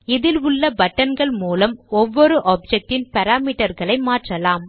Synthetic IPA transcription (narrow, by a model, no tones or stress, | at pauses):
ɪðɪlʊɭːɐbɐʈːɐnɡɐɭmuːlɐmɔʋːɔɾɯʔaːp̚d͡ʒɛk̚ʈɪnpɐɾaːmiːʈɐɾɣɐɭɐɪmaːʈrɐlaːm